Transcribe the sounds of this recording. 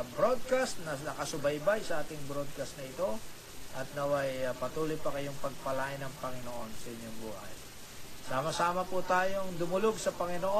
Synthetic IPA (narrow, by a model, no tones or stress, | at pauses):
bɾod̪̚kast̪nɐnɐkɐsʊbɐjbajsɐʔaːt̪ɪŋbɾo̞d̪̚kast̪nɐɪt̪o̞ | ʔɐt̪̚nɐwɐjpɐt̪uːlojpɐkɐjoŋpɐɡ̚pɐlaʔɪnɐŋpɐŋɪnoʔonsɐʔɪɲːoŋbuːhɐ̰j | saːmɐsaːmɐput̪aːjoŋd̪ʊmʊlo̞ɡsɐpɐŋɪnoʔo